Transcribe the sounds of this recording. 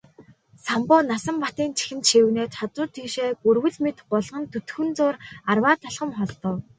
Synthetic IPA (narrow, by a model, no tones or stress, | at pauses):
sampʊːnasə̆mpat̪iːnt͡ɕʰi̥xɘ̆nt̪ʃiwneːt̪χat͡sʊːrt̪ʰiːʃeːɡɵrwɘ̆ɮmet̪ɢʊɮʁə̆nt̪ʰɵt̪xɘ̆nt͡sʊːrarwaːt̪ʰaɮχə̆mχɔɮt̪ɞ̆w